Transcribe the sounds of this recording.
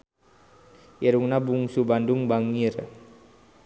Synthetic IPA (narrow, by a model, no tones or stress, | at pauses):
jɛɾuŋnabuŋsubanduŋbaŋir